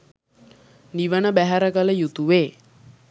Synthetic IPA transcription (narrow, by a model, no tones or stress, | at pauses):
niʋənəbæɦæɾəɡələjut̪uʋeː